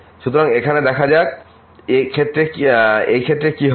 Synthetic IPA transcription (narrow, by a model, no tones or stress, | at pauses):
ʃut̪oɾaŋekʰaned̪ɛkʰad͡ʑak | ekʰet̪ːɾekejkʰet̪ːɾekiɦ